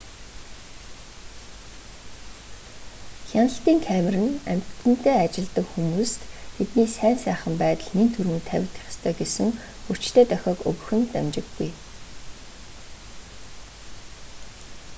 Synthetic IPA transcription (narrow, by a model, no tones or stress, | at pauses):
xʲanə̆ɬt̪iːŋkʰæmɪ̆rɘ̆næ̰m̥ʲt̪ɘ̆nt̪ʰeːat͡ɕɪ̆ɮt̪ə̆kxumuːst̪t̪ʰːet̪niːsæːnsæːχə̆mpæːt̪ə̆ɮnint̪ʰuɾuːnt̪ʰæwʲɪ̆kt̪ə̥̆χʲə̥̆st̪ʰœːɡesɘ̆ŋ | u̥t͡ɕt̪ʰeːt̪œxʲɔːkɵ̰ɣɵ̆xɘ̆nt̪æ̰mt͡ɕɪ̆ɡːuj